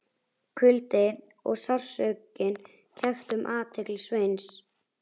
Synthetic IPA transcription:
kʰʏlt̪ɪɾ | ɔ̰ɣsawr̥sœɥcɪn | cʰɛft̪ʏmʔaːt̪ʰɪklsveːjns

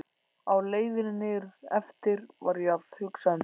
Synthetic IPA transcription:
awleːjðɪnnɪɾɛft̪ɪɾvaɾjat̪ðhʏksan

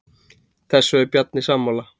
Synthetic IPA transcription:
θɛsːøɛpjat̪nɪsamːola

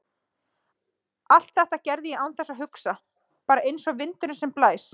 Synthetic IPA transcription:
al̥t̪̚θɛht̪acɛɾðɪjɛawnθɛsːaɦʏksa | paːɾaʔejnsɔɣvɪnt̪ʏɾɪnsɛmplaːjs

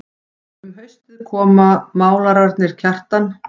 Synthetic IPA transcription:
mɦœɥst̪ɪðkʰɔːmamaːwlaɾaɾt̪nɪɾ̥cʰar̥t̪an

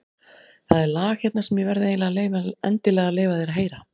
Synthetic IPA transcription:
θaðɛɾlaːxçjɛt̪nḁɾsɛmjɛvɛɾðɪeːjlɛɣlejvaɛ̰nt̪ɪlɛːɣaleːjvaθɛɾaɦeːjɾa

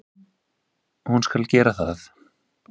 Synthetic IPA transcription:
hunskalcɛːɾaθaθ

